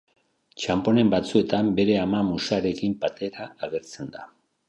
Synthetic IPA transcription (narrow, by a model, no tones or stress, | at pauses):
t͡ʃampo̞ne̞mbat͡sue̞t̪ambe̞ɾe̞amamusaɾe̞kimpat̪e̞ɾaːɣ̞e̞ɾt͡se̞nd̪a̰